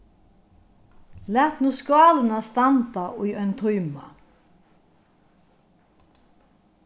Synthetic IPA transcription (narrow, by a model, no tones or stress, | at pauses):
læːht̪nuːskɑːlnast̪ant̪aʔʊjœʏnt̪ʰɔjma̰